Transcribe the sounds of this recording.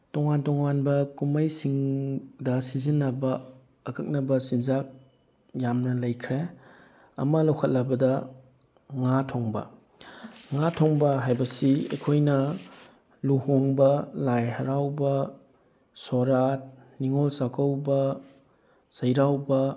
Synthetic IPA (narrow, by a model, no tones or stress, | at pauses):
tɔŋantɔŋanbɐkumɐjsiŋdɐsizinːɐbɐː | kʰɐk̚nɐbɐsinzak̚ | jamnɐlɐjkʰɾe | ɐ̰mɐlɐwkʰɐt̚lɐbɐdɐ | ŋatʰoŋbɐ̰ | ŋatʰoŋbɐɦajbɐsiḛkʰojnɐ | luhoŋbɐlajhɐɾawbɐ | soɾat̚niŋolsakɐwbɐ | sɐjɾawbɐ